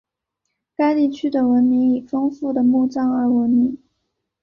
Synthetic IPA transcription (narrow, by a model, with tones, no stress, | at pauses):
ka˥ɪt̪i˥˩t͡ɕʰy˥d̪ə˨wə˧˥nmi˧˥ŋi˨˩fɤ˥ŋfu˥˩d̪ə˩mu˥˩ʈ͡ʂɑ˥ŋə˞˧˥wə˧˥nmi˧˥ŋ